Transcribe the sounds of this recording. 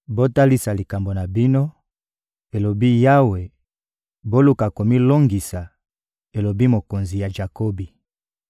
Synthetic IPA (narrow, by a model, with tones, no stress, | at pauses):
bo˦ta˦li˦sa˨li˨ka˨mbo˨na˨bi˦no˦ | e˨lo˨bi˦ja˦we˨ | bo˦lu˦ka˨ko˨mi˦lo˦ŋɡi˨sa˨ | e˨lo˨bi˦mo˨ko˨nzi˨ja˨ʒa˨ko˦bi˨